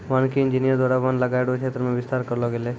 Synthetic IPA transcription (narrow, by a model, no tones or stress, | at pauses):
ʋaːnkiɪ̃nd͡ʒinijəɾd̪waːɾabanlɐɡaeɽokʰeːt̪ɾəmẽʋɪst̪aːɾkɐɾlɔɡele